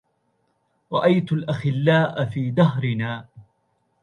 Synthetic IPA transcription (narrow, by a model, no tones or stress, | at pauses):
ɾˤɑʔajt̪ʊlʔaxɪlːaːʔafiːd̪aɦɾɪnaː